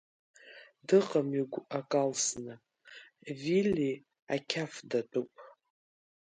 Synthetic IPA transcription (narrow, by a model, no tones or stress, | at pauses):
dɨqʼamiɡʷakʼalsnɨ | vili | akʲʰafdatʼupʼ